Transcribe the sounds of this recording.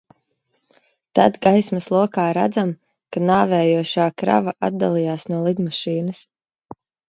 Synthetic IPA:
t̪a̰d̪ɡajsmɐslˠuɔkaːɾa̰d̪zam | kanaːvɛːjuɔʃaːkɾa̰vaʔad̪̚d̪alˠijaːsnuɔlˠid̪maʃiːnɐs

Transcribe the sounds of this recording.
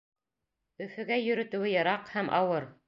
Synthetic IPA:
ɵ̆fɘ̆ɡæjɵ̆ɾɵ̆t̪ɘ̆wɘjɤ̆ɾɑqhæmʔɑ̰wɤɾ

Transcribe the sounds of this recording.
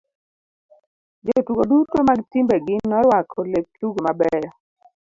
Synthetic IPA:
d͡ʒetuɡodutomaɡtimbɛɡɪnːɔɾwakʰɔlep̚tuɡomabɛjɔ

